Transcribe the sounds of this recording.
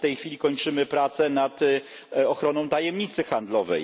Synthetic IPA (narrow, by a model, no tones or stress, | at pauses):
ft̪ɛjxfʲilʲikɔɲt͡ʂɘmɘpɾat̪sɛnat̪ | ɔxɾɔnɔ̃w̃t̪ajɛmɲit̪sɘxand̪lɔvɛ̰j